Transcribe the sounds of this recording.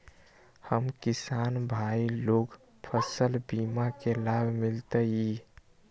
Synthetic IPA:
həmkisanbʱailoɡ | pʰəsəlbimakelabʱmilt̪əji

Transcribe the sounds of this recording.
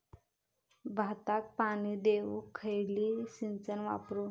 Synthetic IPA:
bʱat̪ak̚pañid̪eʋukʰːəjliːsint͡sənʋa̰pɾu

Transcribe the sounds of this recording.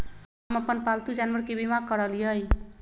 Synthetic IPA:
amʌpənpalt̪ud͡ʒanwəɾkebimakʌɾʌlijʌj

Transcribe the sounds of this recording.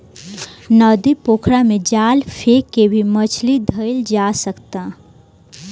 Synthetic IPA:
nɔːd̪ipoːkʰɾamẽd͡ʒaːlfʰekːebʱimət͡ʃʰlid̪ʱəɪld͡ʒaːsəkt̪a

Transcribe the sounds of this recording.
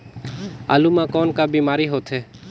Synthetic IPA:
a̰ːlumãːkɔːnkaːbiːmaːɾiɦoːt̪ʰɦeː

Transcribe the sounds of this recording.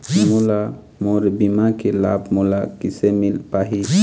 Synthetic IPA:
mula | moɾebimakelabmulakisemilpaɦi

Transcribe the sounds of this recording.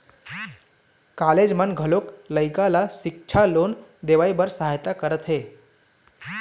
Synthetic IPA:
kaled͡ʒmənɡʱəlokləjkalaʃikt͡ʃʰalond̪eʋaibəɾsəɦajt̪akəɾət̪ɦe

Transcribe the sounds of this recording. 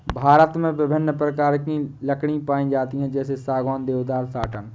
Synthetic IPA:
bʱaːɾət̪mẽʋɪbʱɪnːpɾəkaːɾkiləkʰɽipaːĩd͡ʒaːt̪iɦɛ̃d͡ʒɛːsesaːɡaːnd̪eːʋd̪aːɾsaːʈʰən

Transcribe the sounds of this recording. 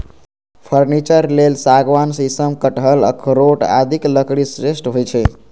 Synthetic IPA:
pʰəɾnit͡ʃəɾlelsaɡʋansisəmkəʈɦələ̰kʰɾoʈa̰d̪ʱikləkɽisɾesʈɦojt͡ʃʰɛ

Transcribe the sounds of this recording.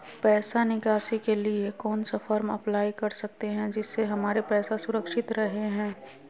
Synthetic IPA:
pɛːsanɪkaːsikeliekɔːnsafɐɾmɐ̰plaːikɐɾsɐk̚t̪eɦɛ̃d͡ʒɪsːeɦɐmaːɾepɛːsasʊɾəkʃɪt̪ɾɐɦeɦɛ̃ː

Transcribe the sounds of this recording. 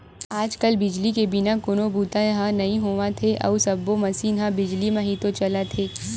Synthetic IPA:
aːd͡ʒkɐlbɪd͡ʒlikebɪnakʊnobuːt̪ãjɐɦãnɐɦĩɦoːʋãt̪ʰeʔɐ̰usɐbːomɐsinɦãbɪd͡ʒlimɐ̃ɦĩt̪ot͡ʃɐlat̪ʰeː

